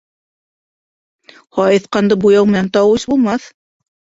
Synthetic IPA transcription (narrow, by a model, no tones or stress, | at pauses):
hɑjɤθqɑnd̪ɤbujɑwmɘ̆nænt̪ɑwɤɕbulˠmɑθ